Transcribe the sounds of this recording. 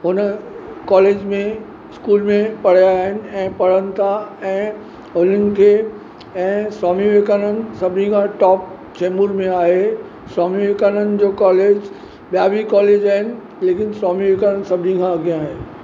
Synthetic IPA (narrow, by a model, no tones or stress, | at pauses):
ɦʊnəkɔːleːd͡ʑmẽ | ɪskuːlmẽpɐɽ̤jaːɦɪnɪ̆ɛ̃ːpɐɽ̤ənɪ̆t̪ʰaɛ̃ː | ɦʊn̤ənɪ̆kʰeː | ɛ̃ːswaːmiʋekaːnənɪ̆sɐbʱɪnikʰãʈɔːp̚ | t͡ɕɛːmuɾmẽaːɦe | swaːmiʋeːkaːnənɪ̆d͡ʑoːkɔːleːd͡ʑ | ɓijabʱikɔːleːd͡ʑaːɦɪnɪ̆ | leːkɪnswaːmiʋeːkaːnənɪ̆sɐbʱɪnikʰãɐɡʱijãaːɦe